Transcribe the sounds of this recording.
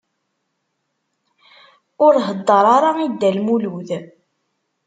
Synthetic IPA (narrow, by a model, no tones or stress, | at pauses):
ʊɾɦəd̪ˤːəɾˤɑɾˤɑid̪ːælmuluð